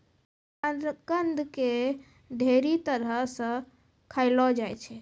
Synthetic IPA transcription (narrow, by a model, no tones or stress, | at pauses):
ənd̪ɾəkənd̪ʱke | d̪ʱeɾit̪əɾəɦsə̃ | kʰaɪlɔd͡ʒajt͡ʃʰɛ